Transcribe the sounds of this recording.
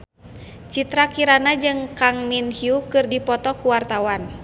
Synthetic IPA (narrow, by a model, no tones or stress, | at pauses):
t͡ʃit̪ɾakiɾanad͡ʒɨŋkaŋminhiukɨrdipɔt̪ɔkuwart̪awan